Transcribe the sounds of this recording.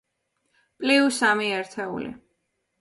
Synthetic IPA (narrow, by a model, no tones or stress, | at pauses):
pʼliusamiɛɾt̪ʰɛṵlḭ